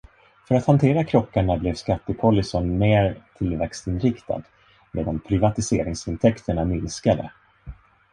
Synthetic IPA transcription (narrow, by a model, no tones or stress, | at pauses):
fœɾat̪hant̪ʰeːɾakʰɾɔkːaɳablɛvskat̪ːəpʰɔlːɪsɔnmeːɾt̪ʰɪlvɛkst̪ɪnɾɪkt̪ʰa̰d̪ | mʔeːd̪anpʰɾɪvat̪ɪseːɾɪŋsɪnt̪ʰɛkt̪ʰəɳamɪnskad̪ə̰